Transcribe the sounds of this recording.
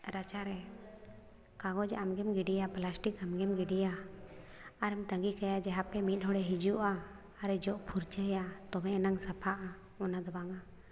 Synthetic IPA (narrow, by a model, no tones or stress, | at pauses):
ɾat͡ʃaɾɛ | kaɡɔd͡ʒʔamɡɛmɡiɖijaplasʈikamɡɛmɡiɖijaː | ɾɛmt̪əŋɡikajad͡ʒɛɦapɛmit̪̚ˀɦɔɽɛɦid͡ʒuʔaː | ɾɛd͡ʒɔʔpʰuɾt͡ʃəjat̪ɔbɛ̃naŋsapʰaʔa | ɔnad̪ɔbaŋa